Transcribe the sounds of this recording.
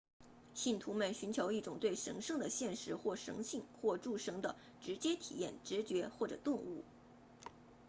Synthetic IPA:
ɕi˥˩nt̪ʰu˧˥mə˨nɕy˧˥nt͡ɕʰjo˧˥ʊi˥˩ʈ͡ʂʊ˨˩ŋt̪we˥˩ɪʂɤ̰˧˥ŋʂɤ˥˩ŋd̪ə˩ɕjɛ˥˩nʂɻ̩˧˥xwɔ˥˩ʂɤ̰˧˥ŋɕi˥˧ŋxwɔ˥˧ʈ͡ʂu˥˩ʂɤ˧˥ŋd̪ə˨ | ʈ͡ʂɻ̩˧˥t͡ɕjɛ˥t̪ʰḭ˨˩jɛ˥˩nʈ͡ʂɻ̩˧˥t͡ɕɥɛ˧˥xwɔ˥˩ʈ͡ʂɤ̰˨˩t̪ʊ˥˧ŋṵ˥˩

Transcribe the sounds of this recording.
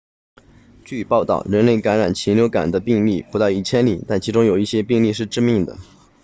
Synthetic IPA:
t͡ɕy˥˧pɑ˥˧ʊt̪ɑ̰˥˩ʊɻə˧˥nle˥˩ɪka˧˥nɻa˨˩nt͡ɕʰi˧˥nljo˧˥ʊka̰˨˩nd̪ə˦pi˥˧ŋli˥˩pu˧˥t̪ɑ˥˧ʊi˥˩t͡ɕʰjɛ˥nli˨˩t̪a˥˩nt͡ɕʰi˧˥ʈ͡ʂʊ˥ŋjo˨˩ʊi˥˩ɕjɛ˥pi˥˧ŋli˥˧ʂɻ̩˥˧ʈ͡ʂɻ̩˥˧mi˥˩ŋd̪ə̰˩

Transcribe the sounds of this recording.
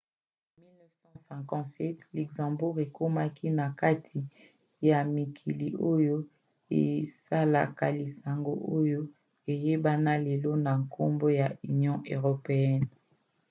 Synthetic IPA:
mi˦lnɛ˦fsɑ̃˦sɛ̃˨kɑ̃˨tsɛ˦tlɛ˨ɡzã˨mbu˦ʁe˨ko˦ma˦kʰi˦na˨ka˦tʰi˨ | ja˨mi˨kʰi˨li˨o˦jo˦ | e˨sa˦la̰˨ka̰˨li˨sa˨ŋɡo˦ʔo˦jo˦ | e˨je˦ba˦na˦le˨lɔ˦na˨ŋkʰo˦mbo˦ja˨y˨njɔ̃˦ʔø˨ʁo˨pe˨ɛ˦n

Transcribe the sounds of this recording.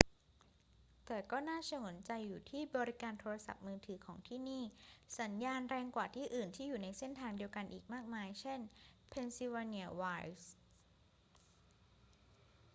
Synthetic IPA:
t̪ɛː˨˩kɔː˥˩naː˥˩sa˧ŋo˩˦nt͡ɕa˧jːuː˨˩t̪ʰiː˥˩bɔː˧ɾi˦˥kaː˧nt̪ʰoː˧ɾa˧sa̰˨˩p̚mɯː˧t̪ʰɯː˩˦kʰɔː˩˦ŋt̪ʰiː˥˩niː˥˩sa˩˦njaː˧nɾɛː˧ŋkwaː˨˩t̪ʰiː˥˩ʔɯː˨˩nt̪ʰiː˥˩juː˨˩na˧jse˥˩nt̪ʰaː˧ŋdi˧əwka˧nʔḭː˨˩k̚maː˥˩k̚maː˧jt͡ɕʰe˥˩npʰe˧nsi˧wa˧ni˧˩ɐwaː˧˥s

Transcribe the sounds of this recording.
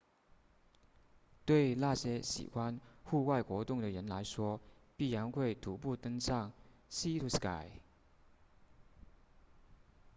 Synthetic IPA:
t̪we˥˩ɪla˥˩ɕjɛ˥ɕḭ˨˩xwa˦nxu˥˧wa˥˩ɪxwɔ˧˥t̪ʊ˥˩ŋd̪ə˩ɻə˧˥nla˧˥ɪʂwɔ˥pi˥˩ja˧˥nxwe˥˩ɪt̪ʰu˧˥p̬u˥˩t̪ɤ˥ŋsɑ˥˩ŋsi˥t̪ʰu˧˥ska˥˩ɪ

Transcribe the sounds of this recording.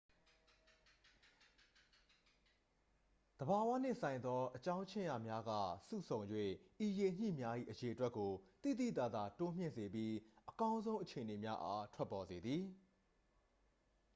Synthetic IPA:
d̪əba˨wa̰˦˨n̥ɪ̰̃˦˨sã˨ɪ̃nd̪ɔ˦ʔət͡ɕã˦ʊ̃ɲt͡ɕʰɪ̃˦˨ja˨mja˦ɡa̰˦˨sṵ˦˨sʰõ˨ʊ̃njwḛ˦˨ʔi˨je˨ɲ̥ḭ˦˨mja˦ʔḭ˦˨ʔəje˨ʔətwɛ˦kːo˨t̪ḭ˦˨d̪ḭ˦˨t̪a̰˨d̪a̰˦˨to˦m̥jɪ̰̃˦˨ze˨bji˦ʔəkã˦ʊ̃nzõ˦ʊ̃ʔət͡ɕʰe˨ə˨ne˨mja˦ʔa̰˦tʰwɛ˦pːɔ˨ze˨d̪ði˨

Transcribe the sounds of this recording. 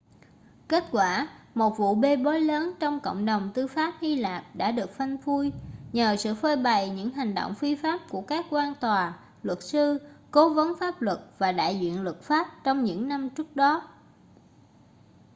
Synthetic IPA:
ke˦˥t̚kwaː˧˩ | mo˨˩t̚vṵ˧˨ɓe˧ɓo˨˦jləː˨˦nt͡ɕɔ˧wŋ͡mko̰˧˨wŋ͡mɗə˨˩wŋ͡mt̪ɨ˧faː˦˥p̚hi˧laː˨˩p̚ɗa̰ː˧˥ɗɨ˨˩ək̚fa˧jŋ̟vu˧jɲəː˨˩sɨ̰˧˨fəː˧jɓa˨˩jɲɨ̰˧˥ŋɦa˨˩ŋ̟ɗo̰˧˨wŋ͡mfi˧faː˦˥p̚ku˧˩əkaː˦˥k̚kwaː˧nt̪waː˨˩ | lwə˨˩t̚sɨ˧ko˨˦və˨˦nfaː˦˥p̚lwə˨˩t̚vaː˨˩ɗa̰ː˧˨jzwḭ˧˨ənlwə˨˩t̚faː˦˥p̚t͡ɕɔ˧wŋ͡mɲɨ̰˧˥ŋna˧mt͡ɕɨ˦˥ək̚ɗɔ˨˦

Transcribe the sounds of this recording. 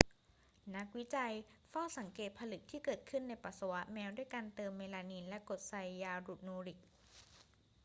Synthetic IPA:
na˦˥k̚wi˦˥t͡ɕa˧jfɔː˥˩sa˩˦ŋkeː˨˩t̪̚pʰa˧lɯ˨˩k̚t̪ʰiː˥˩kɤː˨˩t̪̚kʰɯ˥˩nːa˧jpa˨˩t̪̚sa˧wa˦˥ʔ̪̚mɛː˦˧˥wdu˥˩əjka˧nt̪ɤː˧mːeː˧laː˧niː˧nlɛ˦˥ko˨˩t̪̚sa˧jːaː˧ɾu˨˩t̪̚noː˧ɾi˨˩k̚

